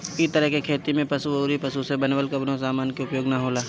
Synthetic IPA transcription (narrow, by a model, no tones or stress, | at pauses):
ɪt̪əɾəɦkekʰeːt̪imẽpɐsuoːɾipɐsusebɐnʋəlkɐbnõsaːmaːnkeʊpjoːɡnɐɦoːlaː